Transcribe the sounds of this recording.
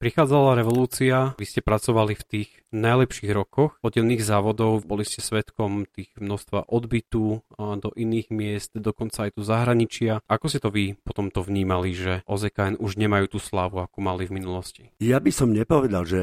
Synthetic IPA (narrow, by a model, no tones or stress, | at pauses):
pɾixaːd͡zalaɾɛʋɔluːt͡siaʋiscɛpɾat͡sɔʋalift̪iːɣ | najlɛpʃiːɣɾɔkɔxɔd̪ɟɛlniːɣzaːʋɔd̪ɔʊbɔliscɛsʋɛt̪kɔmt̪iːɣmnɔst̪ʋa̰ʔɔd̪bit̪ud̪ɔʔiniːɣmɪɛst̪d̪ɔkɔnt͡saːjt̪uzaɦɾaɲit͡ʃɪaʔakɔscɛt̪ɔʋipɔt̪ɔmt̪ɔvɲiːmaliʒɛʔɔzɛkaɛnʔuʒɲɛmajuːt̪uːslaːʋuakumalivminulɔscijabisɔmɲɛpɔʋɛd̪alʒɛ